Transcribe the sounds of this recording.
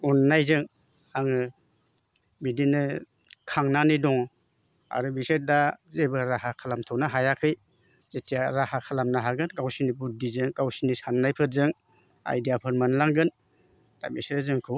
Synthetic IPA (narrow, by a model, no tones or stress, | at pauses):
unːajzɯŋ | aŋɯ | bidinɯ | kʰaŋnanidɔŋ | a̰ɾɯbiseɾdazebɯɾaɦakʰalamtʰɔwnaɦajakʰɯj | zetijaɾahakʰalamnaɦaɡɯnɡawsinibudizɯŋɡawsinisanːajpʰɯɾzɯŋ | a̰jdijapʰɯɾmanlaŋɡɯn | d̥a̰biseɾazɯŋkʰɯ